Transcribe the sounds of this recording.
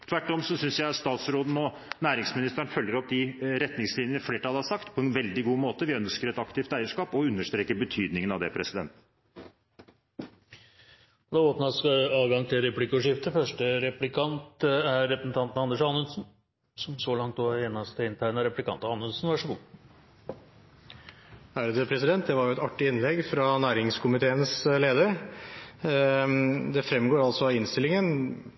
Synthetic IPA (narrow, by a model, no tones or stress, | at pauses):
t̪ʰʋæʈːɔmsɔsʏnsjæɪst̪ɑːt̪sɾoːd̪n̩ɔ | næːɾɪŋsmɪnɪst̪əɳfœljəɾɔp̚d̪ɪɾɛt̪nɪŋslɪnjənəfleːʈʰɑlhɑʂɑkt̪pʰɔɛnʋɛld̪ɪɡuːmoːt̪əʋɪœnskəɾɛt̪ɑkt̪ɪft̪æɪəʂkɑːpɔʉnːəʂʈ̪ɾeːkəbət̪ʰyːd̪nɪŋənɑʋd̪ɛpʰɾɛsɪd̪ɛ̰nt̪ | d̪ɑːoːpnɑsɑɑːʋɡɑŋt̪ʰɪlɾɛplɪkːʊʂɪft̪əfœʂʈəɾɛplɪkʰɑnt̪æɾːɛpɾəsn̩t̪ɑnt̪n̩ɑnd̪əʂɑnːʉnsn | sɔmsɔlɑŋt̪̚d̪oːeːnɑst̪əɪnt̪ʰæɾnəɾɛplɪkʰɑ̰nt̪ɑɑnʉnsnʋæʂɔɡṵː | æːɾəd̪əpʰɾɛsɪd̪ɛnt̪̚d̪ɛʋɑɾjʊɛt̪ɑʈːɪɪnlɛɡfɾɑnæːɾɪŋskʰʊmɪt̪ʰeːənsleːd̪əɾ | d̪ɛfɾɛmɡoːɾɑlsɔɑɪnst̪ɪlɪŋən